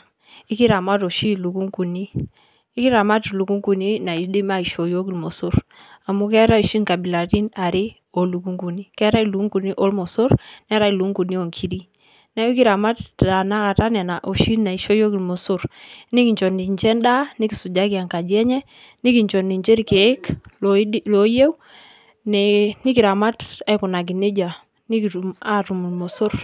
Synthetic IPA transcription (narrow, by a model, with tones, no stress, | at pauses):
i˦ki˦ɾa˨ma˦to˨ʃi˦lu˨ku˦ŋku˨niː˦ | ki˦ɾa˨ma˦tlu˨ku˦ŋku˨ni˦na˨i˨di˦ma˦i˨ʃo˨jo˦ki˨lmo˨su˦ɾ | a˨mu˦kɛ˦ɾa˦i˨ʃi˦ŋka˨bi˨la˨ti˦na˨ɾi˦ | o˨lu˨ku˦ŋku˨ni˦kɛ˦ɾa˦i˨lu˨ku˦ŋku˨ni˦ʔo˦lmo˨so˦ɾnɛ˦ɾa˦i˨lu˨˦ŋku˨ni˦o˨ŋkʰi˦ɾi˦ | na˦u˦ki˦ɾa˨ma˦tta˨na˦ka˨ta˦nɛ˨na˨ʔo˨ʃi˦na˨i˨ʃo˦jo˦ki˨lmo˨so˦ɾni˦ki˨ɲt͡ʃɔ˨ni˨ɲt͡ʃɛ˦nda˦ni˦ki˨su˨d͡ʒa˦ki˨a˨ŋka˨d͡ʒɛ˦ɲɛ˦ | ni˦ki˨ɲt͡ʃɔ˨ni˨ɲt͡ʃe˦ɾke˨˦kllo˨je˦w | nɛni˦ki˨ɾa˨ma˦ta˦ku˨na˨ɡ̬i˨ne˦d͡ʒa˨ | ni˦ki˨u˨ma˦ɾu˨mu˨lmo˨so˦ɾ